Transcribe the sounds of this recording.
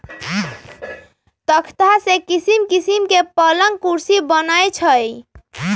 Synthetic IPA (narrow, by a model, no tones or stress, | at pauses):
t̪əkʰt̪asekisimkisimkepələŋɡ̚kuɾsibənajt͡ʃʰəj